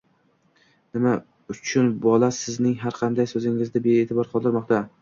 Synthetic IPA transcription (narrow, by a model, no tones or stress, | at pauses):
nɪma | ʊt͡ʃʰʊnbɒlˠasɪznɪŋɦaɾqʰɑnd̪ajsɵzɪŋɪzd̪abeeːt̪ʰɪbɒɾqʰɒlˠd̪ɪɾmɒqt̪a